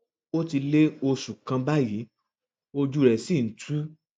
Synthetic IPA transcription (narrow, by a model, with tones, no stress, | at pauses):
o˦ti˧le˦o˧ʃu˨kã˧ba˦ji˨˦ | o˧d͡ʒu˦ɾɛ˨si˦˨n̩˨tʰu˦